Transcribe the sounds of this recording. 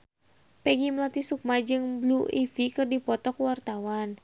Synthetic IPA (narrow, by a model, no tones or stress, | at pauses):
pɛɡiməlat̪isuk̚mad͡ʒɨŋbluʔifikɨrdipɔt̪ɔkwart̪awan